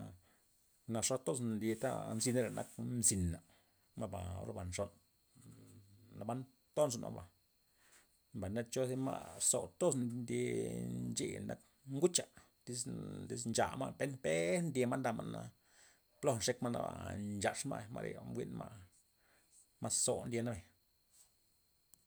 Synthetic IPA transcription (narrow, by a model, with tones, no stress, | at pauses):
na˧ʂo˦t̪o˦s̬nd̪i˧t̪a̰˦nzi˧ne˦ɾa˨nʔa˦kmzi˨nːa˨ | ma˧ba˨o̰˦ɾba˨nʂo˨n | na˧ba˦n | t̪o˦nso˧˨nʔa̰˨ba˨ | mba˨jna˦t͡ʃo˦si˦ma̰˦so˨t̪o˦s̬nnd̪i˧nt͡ʃḛ˧˨na˦k | ŋɡu˦t͡ʃa˨ | t̪i˦sd̪i˦s̬nt͡ʃa̰˨ma˦pe˦npe˦nd̪ʲe˧ma˦nd̪a˧˨ma˨na˧ | plo˧nʂe˦kma˦na̰˧ba̰˨nd͡ʒa˨ʂma̰˦˨ma̰˧ɾʔḛ˨mɡʷwḭ˦nma˦ | ma˦so˨nd̪ʲe˧na˦be˨